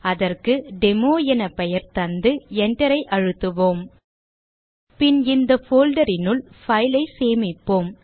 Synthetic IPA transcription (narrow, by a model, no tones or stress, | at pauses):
ɐðɐrkɯɖɛmoːjɐnɐpɛjɐɾt̪ɐnd̪ɯɛɳɖɐɾɐɪʔɐɻɯt̪ːɯʋoːm | pɪnɪnd̪ɐfoːlɖɐɾɪnɯɭfɐjlɐɪseːmɪpːoːm